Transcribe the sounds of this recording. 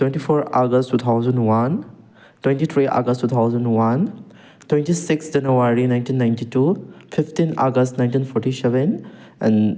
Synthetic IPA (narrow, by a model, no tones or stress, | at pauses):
twentipʰoɾaɡəstːut̪ʰawzɐnwan | twẽntit̪ʰɾiʔa̰ɡəstːut̪ʰawzɐnwan | twẽntisiksd͡ʒɐnawaɾinajntinːajntitupʰipʰtina̰ɡɐstnajntinpʰɔɾtisɛben | ɛ̰̃n